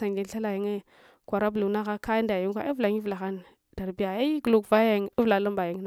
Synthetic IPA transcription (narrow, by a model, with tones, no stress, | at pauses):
sa˨ŋɡi˦n˦ɬa˦la˨ji˦ŋe˦ | kʷa˨ɾa˦blu˨na˦ɣa˦ka˦nda˨ji˦ŋ˦kʷa˦i˦vla˨ŋi˦vla˨xa˦n | d̥a˨ɾbi˦ja˨i˦ɡu˨lu˦kva˦ja˦˨ŋ˨i˦vla˨la˦mba˨ji˦ŋ˦na˦